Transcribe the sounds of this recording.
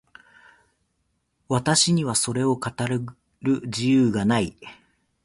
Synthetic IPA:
βat̪aɕiɲ̟iβaso̞ɾe̞o̞kat̪aɾɯ | ɾɯ̟d͡ʑijɯːɡanai

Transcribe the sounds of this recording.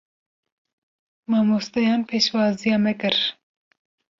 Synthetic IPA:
mɑːmust̪ɐjɑːnpʰeːʃwɑːzijɑːmɛkɨɾ

